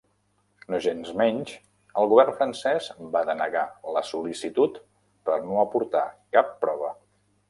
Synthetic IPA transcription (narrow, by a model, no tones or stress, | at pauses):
noʒenzmɛɲʲt͡ʃ | əlˠɣuβɛrnfɾənsɛzbaðənəɣaləsulisit̪ut̪ | pəɾnoəpuɾt̪a̰kapːɾɔβ̞ə